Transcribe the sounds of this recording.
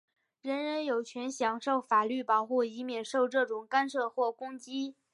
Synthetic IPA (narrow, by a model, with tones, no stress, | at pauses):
ɻə˧˥nɻə˧˥njo˨˩ʊt͡ɕʰɥɛ˧˥nɕjɑ˧˥ŋʂo˥˩ʊfa˨˩ly˥˩pɑ˨˩ʊxu˥˩i˧˥mjɛ˨˩nʂo˥˧ʊʈ͡ʂɤ˥˩ʈ͡ʂʊ˨˩ŋka˥nʂɤ˥˧xwɔ˥˩kʊ˥ŋt͡ɕi˥